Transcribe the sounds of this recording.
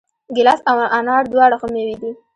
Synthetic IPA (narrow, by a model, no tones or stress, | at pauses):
ɡɪlasawʔanɑɽd̪wɑɽaxomewid̪i